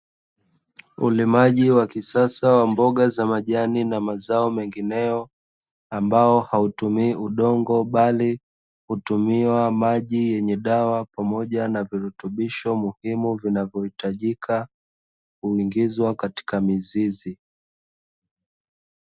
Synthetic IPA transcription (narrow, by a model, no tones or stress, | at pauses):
ṵlimaʄiwakisasawambɔɠazamaʄaninamazaɔmɛŋɡinɛjɔ | ambaɔhautumiːʔuɗɔŋɡɔɓali | hutumiwamaʄijɛɲɛɗawapamɔʄanaviɾutuɓiʃɔmuhimuvinavjɔhitaʄikʰa | huiŋɡizwakati̥kamizizi